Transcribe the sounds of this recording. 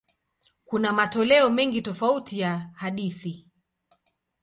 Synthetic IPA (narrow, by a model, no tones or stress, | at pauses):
kunamatɔlɛɔmɛŋɡitɔfautijahaɗiθi